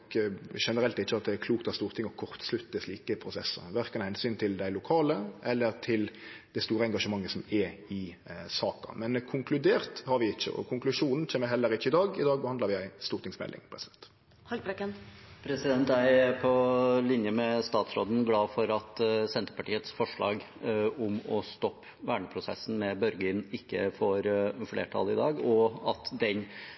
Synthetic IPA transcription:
kʃɛnəɾɛlt̪ɪːəɑt̪̚d̪ɛɛkʰluːkt̪ɑst̪uːɾt̪ʰɪŋːɔkʰɔʁt̪slʉt̪ːəsliːkəpʰɾʊsɛsːə̰ʋæʁkɑnhɛnsyːnt̪ʰɪld̪æɪlʊkʰɑːləʔɛlːəɾt̪ʰɪld̪̥ɛɪst̪uːɾəɛŋɡɑʂəmɑŋːəsɔmɛɪ | sɑːkɑ̰mɛnkʰʊŋkʰlʉd̪eːʁt̪hɑɾʋɪɪçːə̰ɔ̰kʰʊŋklʉʂuːnn̩t͡ʃʰeːməɾɦɛlːəɾɪçːəɪd̪ɑːɡɪd̪ɑːɡ̚bəhɑnd̪ɑɾʋɪjæɪst̪uːɾt̪ɪŋsmɛ̰lʔɪ̰ŋpʰɾɛsɪd̪ɛnt̪ | hɑpʰɾɛkːənpʰɾɛsɪd̪ɛnt̪æɪɛpʰɔlɪnjəmɛst̪ɑːt̪sɾoːd̪n̩ɡlɑːfɔɾɑt̪sɛnt̪əɾpɑʈiːət̪sfɔʂɭɑ̰ːɡ | ʊmɔst̪ɔpːʋæːɳəpʰɾʊsɛ̰sːn̩mɛbœɾɡəɪnɪkːə̰foːɾflḛːʈʰɑ̰lɪd̪ɑːɡɔɑt̪d̪ɛn

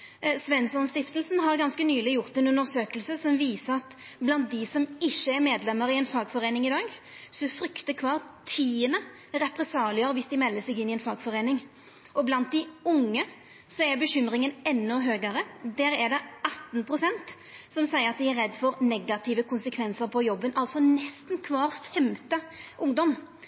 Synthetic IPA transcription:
sʋɛnsɔnst̪ɪft̪əlsn̩ɦɑɾɡɑnskənyːlɪjʊʁt̪ɛnʉnəɾsøːkəlsəsɔmʋiːsəɾɑt̪ | blɑnt̪̚d̪ɪsɔmɪçːəɛɾmeːd̪lɛmːəɾɪɛnfɑːɡfɔɾeːnɪŋɪd̪ɑːɡ | sɔfɾʏkt̪əkʰʋɑːʁt̪ʰiːənə | ɾɛpɾɛsɑːlɪəɾəʋɪsd̪ɪmɛlːəsɛɡɪnːɪɛnfɑːɡfɔɾeːnɪŋ | ʔɔblɑnt̪̚d̪ɪʊŋːə | sɔɛɾbəɕʏmɾɪŋənɛnːɔɦøːɡəɾəd̪æːɾɛd̪ɛɑt̪ːn̩pʰʁʊsɛnt̪ | sɔmsæɪəɾɑt̪̚d̪ɪæɾɛd̪ːfɔɾnɛɡɑt̪ʰɪʋəkʰʊnsəkʰʋɛnsəɾpʰɔjɔbːənɑlt̪sɔnɛst̪nkʰʋɑːɾfɛmt̪əʔʊŋd̪ɔm

